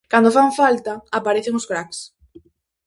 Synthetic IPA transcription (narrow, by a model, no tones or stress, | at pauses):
kand̪ofaɱfalt̪aapaɾeθɪŋʊskɾaks